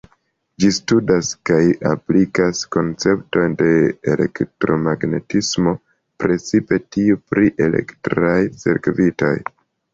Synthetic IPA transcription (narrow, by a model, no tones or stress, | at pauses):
d͡ʒistudaskaja̰plikasko̞nt͡se̞pto̞jnde̞ːle̞̰ktɾo̞maɡne̞̰tismo̞ | pɾe̞t͡sipe̞tiupɾiʔe̞le̞̰ktɾajse̞̰ɾkvito̞̰j